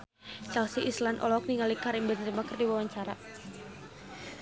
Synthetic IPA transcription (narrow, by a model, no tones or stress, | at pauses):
t͡ʃalsiʔislanʔɔ̰lɔk̚niŋalikaɾimbɛnt̪əmakərdiwawaɲt͡ʃaɾa